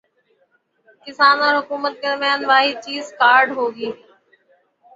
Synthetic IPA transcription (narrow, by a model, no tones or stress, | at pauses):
kɪsaːnɔːɾɦʊkuːmət̪̚ked̪əmjaːnʋaːɦiːt͡ʃiːzkaːɾɖɦoːɡiː